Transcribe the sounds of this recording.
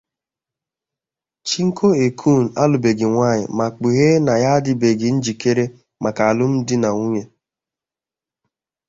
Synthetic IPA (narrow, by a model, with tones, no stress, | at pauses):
t͡ʃi˦ŋ̩˦kʰo˦e˨kʰu˦˨n̩˨a˦lʊ˨be˨ɡɪ˨ŋʷa˦˨ɲɪ̰˨ma˨k͡pu˨ɦe˦na˨ja˦dɪ˦be˨ɡɪ˨n̩˦d͡ʒi˨ke˦ɾe˦ | ma˨ka˨a˨lʊ˦m̩˦dɪ˦na˨ŋu˦ɲe˦